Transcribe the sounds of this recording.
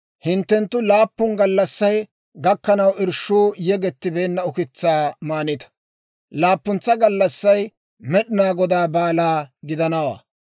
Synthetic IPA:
hɪnt̪ːɛnt̪ːʊlaːpːʊnɡɐlːɐsːɐj | ɡɐkːɐnɐwʔɪɾʃːuːjɛɡɛt̪ːɪbeːnːɐʊkɪt͡sːaːmaːnɪt̪ɐ̥ | laːpːʊnt͡sːɐɡɐlːɐsːɐj | mɛɗɪnaːɡɔd̪aːbaːlaːɡɪd̪ɐnɐwa̰ː

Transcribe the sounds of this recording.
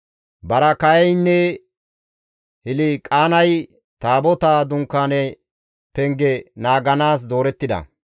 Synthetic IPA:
bɐɾɐkɐjɛjnːɛ | hɪlɪkʼaːnɐj | t̪aːbɔt̪aːd̪ʊŋkːaːnɛ | pɛŋɡɛnaːɡɐnaːs̬d̪o̞ːɾɛt̪ːɪd̪ɐ̰

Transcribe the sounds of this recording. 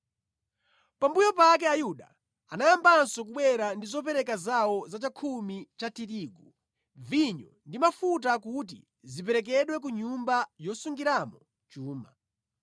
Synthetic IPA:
pambujɔpak̬ɛajuɗa̰ | anajambansɔk̬uɓwɛɾandizɔp̬ɛɾɛkazawɔzat͡ʃakʰumit͡ʃatiɾiːɡu | viɲɔ̰ndimafut̬akut̬ḭ | zip̬ɛɾɛk̬ɛɗwɛk̬uɲumbajɔsuŋɡiɾamɔ | t͡ʃuːma̰

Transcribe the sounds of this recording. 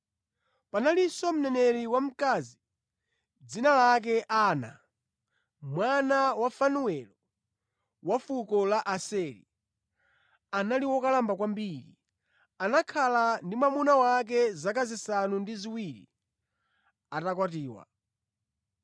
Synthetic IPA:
panalisɔm̩nɛnɛɾiwam̩kazi | d͡zinalak̬ɛʔaːna̰ | mwanawafanuwɛlɔ | wafukɔlaʔasɛɾḭ | analiwɔkalambakwambiːɾḭ | anakʰalandimamunawak̬ɛzakazisanundiziwiɾḭ | atakwatiːwa̰

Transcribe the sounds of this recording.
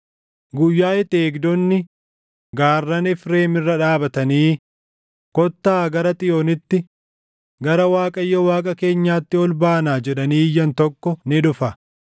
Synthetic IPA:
ɡʊjːaːɛt̪eːɡd̪ɔnːɪ | ɡaːrːɐnɪfɾe̞ːmɪrːɐᶑaːbɐt̪ɐniː | kɔt̪ːaːɡɐɾɐt̪ʼɪjoːnɪt̪ːɪ | ɡɐɾɐwaːkʼɐjːɐwaːkʼɐke̞ːɲːaːt̪ːɪɔlbaːnaːd͡ʒɛᶑɐniːjːɐnt̪ɔkːɔnɪᶑʊfɐ

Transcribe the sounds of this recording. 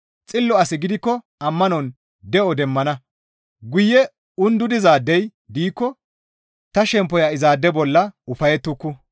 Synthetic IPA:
t͡sʼɪlːɔɐsɪɡɪd̪ɪkːɔ | ɐmːɐnɔn | d̪ɛʔɔd̪ɛmːɐnɐ | ɡʊjːɛ | ʊnd̪ʊd̪ɪzaːd̪ːɛj | d̪iːkːɔ | t̪ɐʃɛmpːɔjaɪzaːd̪ːɛbɔlːɐʊfɐjɛt̪ːʊkːʊ

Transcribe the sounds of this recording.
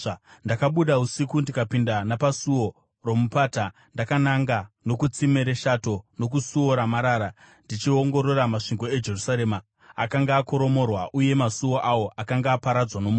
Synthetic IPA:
ndakaɓuɗausikundikapindanapasuwo̞ | romupaːta | ndakanaŋɡano̞kut͡simeɾe̞ʃato̞no̞kusuo̞ɾamaɾaːɾa | ndit͡ʃio̞ŋɡo̞ɾo̞ɾamaʂiŋɡo̞e̞d͡ʒe̞rusaɾe̞ːma | akaŋɡaːko̞ɾo̞mo̞rwaʔuje̞masuwo̞ʔawo̞ʔakaŋɡaːpaɾad͡zwano̞mu

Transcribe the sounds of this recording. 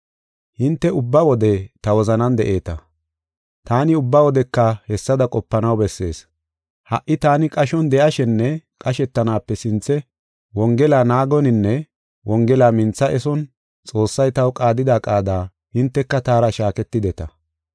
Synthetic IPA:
hɪnt̪ːɛʊbːɐwɔd̪ɛt̪ɐwɔzɐnɐnd̪ɛʔe̞ːt̪ɐ | t̪aːnɪʊbːɐwɔd̪ɛkːɐhɛsːɐd̪ɐkʼɔpːɐnɐwbɛsːe̞̰ːs | hɐʔːɪt̪aːnɪkʼɐʃɔnd̪ɛʔɐʃɛnːɛkʼɐʃɛt̪ːɐnaːpːɛsɪnt͡sːɛ | wɔŋɡɛlaːnaːɡɔnɪnːɛ | wɔŋɡɛlaːmɪnt͡sːɐʔɛsɔn | t͡sʼo̞ːsːɐjt̪ɐwkʼaːd̪ɪd̪aːkʼaːd̪aː | hɪnt̪ːɛkːɐt̪aːɾɐʃaːkɛt̪ːɪd̪ɛt̪ɐ

